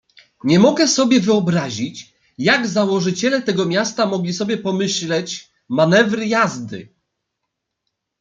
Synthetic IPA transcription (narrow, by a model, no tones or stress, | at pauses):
ɲɛmɔɡɛsɔbʲjɛvɘɔbɾaʑit͡ɕ | jaɡzawɔʐɘt͡ɕɛlɛt̪ɛɡɔmʲjast̪amɔɡlʲisɔbʲjɛpɔmɘɕlɛt͡ɕ | manɛvɾɘjazd̪ɘ̰